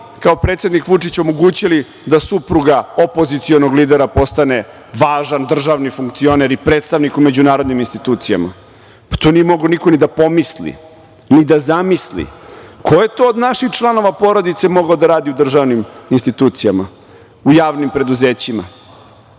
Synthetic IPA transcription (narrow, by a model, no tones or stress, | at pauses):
kao̞pɾet̪sjed̪nikʋut͡ʂit͡ɕo̞mo̞ɡuːt͡ɕili | d̪asupɾuɡaopo̞zit̪sio̞noɡlid̪eɾapo̞st̪ane̞ | ʋaːʒand̪r̩ʒaʋnifuŋkt̪sio̞neɾipɾet̪st̪aʋnikume̞d͡ʑunaːɾo̞d̪niminst̪it̪uːt̪sija̰ma̰ | pḁt̪oniemo̞ɡoniko̞nid̪apo̞mislḭ | nid̪azamislḭkʰo̞je̞t̪o̞ːd̪naʃixt͡ʂlˠano̞ʋapo̞ɾo̞d̪it̪se̞mo̞ɡaod̪aɾaːd̪iud̪r̩ʒaʋniminst̪it̪uːt̪sijama | ujaːʋnimpɾe̞d̪uze̞ːt͡ɕima̰